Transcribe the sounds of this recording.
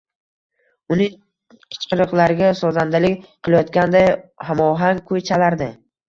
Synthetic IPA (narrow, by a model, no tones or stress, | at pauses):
ʊnɪŋ | qʰɨ̥t͡ʃqɨɾɨqlˠaɾɪɡʲasɒzand̪alɪkʲqʰɨlˠajɒt̪kʲand̪ajhamɒɦaŋkʰʊjt͡ʃʰalaɾd̪ɪ